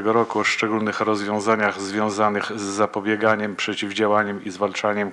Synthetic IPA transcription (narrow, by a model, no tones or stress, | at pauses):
ɛɡɔɾɔkuɔʂt͡ʂɛɡulnɘxɾɔzvʲjɔ̃w̃zaɲaɣzvʲjɔ̃w̃zanɘxzːapɔbʲjɛɡaɲɛmpʂɛt͡ɕivd͡ʑawaɲɛmizvalt͡ʂaɲɛm